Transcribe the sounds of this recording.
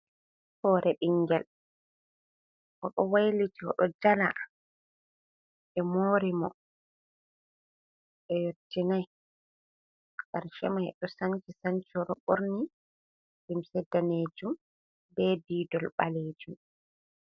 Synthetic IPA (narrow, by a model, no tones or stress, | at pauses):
hɔːɾʔɛɓiŋɡɛl | ʔɔɗɔwajlitiɔ̰ɗɔd͡ʒala | ʔɛmoːɾimɔ | ʔɛjotʰːinaj | ɡaɾʃɛmahɛɗɔsant͡ʃisaɲt͡ʃɔɾɔɓoɾni | ɗimsɛdaneːd͡ʒum | bɛdiːdɔlɓaleːd͡ʒum